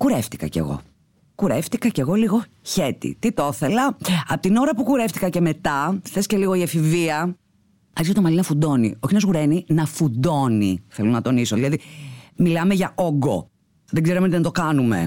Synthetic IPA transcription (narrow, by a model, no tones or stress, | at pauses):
kuɾeft̪i̥kɐ̰ce̞̰ɣo̞̰ | kuɾeft̪ikɐce̞ɣo̞liɣo̞ | çe̞t̪ḭt̪it̪oθelɐɐpot̪ino̞ɾɐpukuɾe̞ft̪i̥kɐce̞me̞t̪ɐθe̞sce̞liɣo̞iɐfiviɐ | ɐst̪omɐlinɐfud̪o̞nioçinɐzɣuɾe̞ninɐfud̪o̞niθelo̞nɐt̪o̞nisoðilɐðimilɐmeʝɐoɡo̞̰ | ðeɡzeɾoment̪inɐt̪o̞kɐnume̞̰